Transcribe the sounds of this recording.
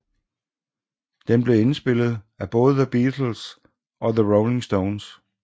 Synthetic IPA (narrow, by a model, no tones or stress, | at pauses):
d̥emb̥le̝e̝nsb̥e̝l̰ð̞̩ˠ | æb̥ɔ̽ːð̞̩ˠəðəb̥iːdʰl̩s | ʔɒ̽ðəʁoʊle̝ŋsd̥oʊns